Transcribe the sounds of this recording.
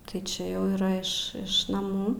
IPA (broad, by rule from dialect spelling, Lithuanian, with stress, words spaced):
tɐɪ ˈt͡ʃʲɛ jɛʊ iːˈrɐ ɪʃ ˈɪʃ nɐˈmuː